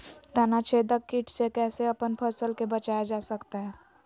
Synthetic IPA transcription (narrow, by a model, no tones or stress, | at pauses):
t̪ɐnat͡ʃʰeːd̪əkːiʈʰsekɛːseɐpənpʰəsəlkebət͡ʃaːjad͡ʒaːsəkt̪aɦɛː